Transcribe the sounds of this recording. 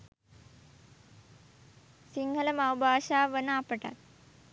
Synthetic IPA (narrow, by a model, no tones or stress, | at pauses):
siŋɡʱɐlɐmawbʱaːʃaːʋənaːpəʈa̰t̪̚